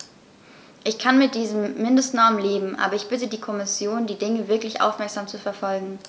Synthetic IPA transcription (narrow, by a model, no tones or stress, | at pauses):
ʔɪçkʰanmɪt̚d̥iːzəmːɪndəstnɔɐmnleːbm̩ʔa̰ːbɐɪçb̥ɪtədiːkʰɔmɪsjoːndiːdɪŋəvɪɐklɪçʔa̰ʊfmɛɐkz̥aːmt͡sufɛɐfɔlɡŋ̩